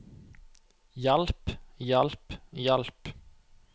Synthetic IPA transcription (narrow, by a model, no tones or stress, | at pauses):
jalpjalpjalp